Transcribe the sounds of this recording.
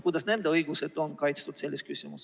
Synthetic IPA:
kud̪ɑsnend̪ɑɤiɡ̥uset̪onkɑjt̪st̪ut̪selːeskysymṵs

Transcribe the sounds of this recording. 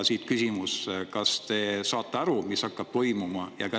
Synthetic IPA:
siːt̪kysʲimuskɑst̪e̞ːsɑːt̪ːˑeɑɾumisɑkːˑɑb̥̚t̪o̞jmumɑjɑ̰kɑ

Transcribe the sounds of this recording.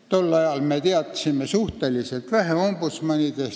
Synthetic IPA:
t̪olːɑjɑlmet̪eɑt̪ːˑɑ̥simːesuht̪eliselt̪ʋæhæombut̪smɑnʲid̪̥es

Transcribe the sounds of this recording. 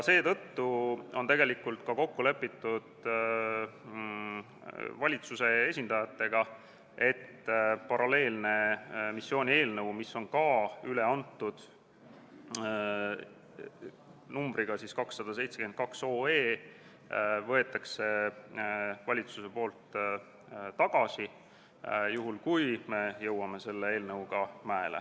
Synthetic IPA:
jɑse̞ːt̪ɤt̪ːuo̞nt̪e̞ɡe̞likult̪kɑko̞kːule̞pˑːit̪ːud̪̥ | vɑlʲit̪suse̞esʲind̪̥ɑjɑt̪ːe̞ɡ̥ɑ | ʔe̞t̪ːpɑɾɑle̞ːlne̞misːjo̞ːnʲie̞ːlnɤwmisːo̞nkɑːyle̞ɑnt̪ːˑud̪̥ | numb̥ɾiɡ̥ɑsiskɑksːɑd̪̥ɑse̞jt̪seken̚kɑkso̞ːe̞ː | vɤ̞e̞t̪ːˑɑkse̞ | vɑlʲit̪suse̞po̞ːlt̪ | t̪ɑɡ̥ɑsi | juɦulkujme̞jɤwɑme̞se̞lːe̞e̞ːlnɤwɡ̥ɑmæelḛ

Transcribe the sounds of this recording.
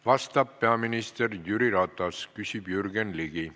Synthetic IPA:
vɑst̪ɑpːe̞ɑminist̪erjyɾiɾɑt̪ːˑɑskysib̥jyrɡenliɡ̥i

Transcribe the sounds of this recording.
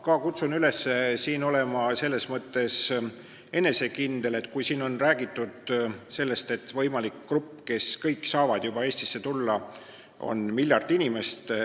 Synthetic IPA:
kɑkut̪sunyle̞sːe̞siːno̞le̞mɑse̞lːe̞smɤt̪ːe̞s | e̞ne̞se̞kind̪̥e̞le̞t̪ːˑkujsiːno̞nræːɡ̥it̪ːˑud̪̥se̞lːe̞st̪e̞t̪vɤ̞jmɑlikːrupːke̞skɤjkːsɑːvɑd̪̥jub̥ɑe̞ːsʲt̪i̥sːe̞t̪ulːɑ | o̞̰nmilʲːjɑrt̪inʲime̞st̪

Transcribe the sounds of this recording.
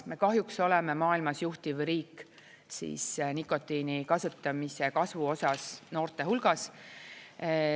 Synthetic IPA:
me̞kɑɦjukso̞lɛme̞mɑːilmɑsjuht̪ivɾiːkː | sḭːsnikːˑo̞t̪ːˑinikɑsut̪ːˑɑmise̞kɑsvuo̞sɑsno̞ːrt̪e̞ɦulɡ̥ɑs

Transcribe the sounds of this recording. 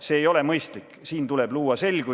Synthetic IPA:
se̞ːjo̞le̞mɤjst̪likːˑsiːnt̪ule̞b̥luːɑse̞lɡ̥u

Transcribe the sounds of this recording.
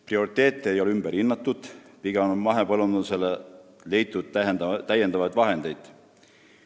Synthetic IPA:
prio̞ɾit̪ːˑe̞ːt̪ˑːeejo̞leymb̥eɾinːɑt̪ːˑud̪̥piɡ̥enmɑɦepɤlund̪use̞le | le̞jt̪ːˑud̪̥̚æt̪ːæjend̪ɑvɑjd̪vɑɦe̞nd̪̥e̞jd̪̥

